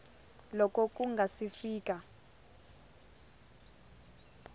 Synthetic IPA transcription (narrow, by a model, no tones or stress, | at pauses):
lɔkʼɔk̬ʼuŋɡʱasifiːk̬ʼa